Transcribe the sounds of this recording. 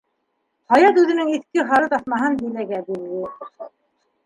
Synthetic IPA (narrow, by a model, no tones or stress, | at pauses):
hɑjɑt̪ʉðɘ̆nɘŋiθkɘχɑɾɤt̪ɑsmɑɦɤnb̪ilæɡæb̪ilːɘ